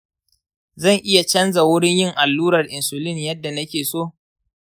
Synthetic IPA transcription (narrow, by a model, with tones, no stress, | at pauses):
zɐ˦˨ŋʔɪ˦ja˨t͡ʃɐ˦nza˨wʊ˦ɽɪ˦ɲjɪ˦ŋʔa˨lːuː˦ɾɐ˨rʔɪ˨nsʊ˨lɪ˦˨njɐ˦dːa˨nɐ˦kʲeː˨soː˦